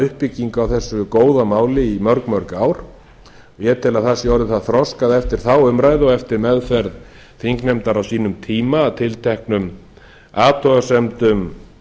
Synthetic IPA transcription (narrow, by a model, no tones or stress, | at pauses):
ʏhpɪcːiŋkawθɛsːʏkoːwðamaːwlɪimœɾkmœɾkaːwɾ̥ | jɛt̪ʰɪlaðθasjaːwɾɪθaðθɾɔskaðɛft̪ɪɾ̥θawʏmɾajðɔɣɛft̪ɪɾmɛðfɛɾð | θiŋknɛmt̪aɾawsiːnʏmt̪ʰiːmaːt̪ʰɪlt̪ʰɛhknʏm | aːt̪ʰɔɣasɛmt̪ʏm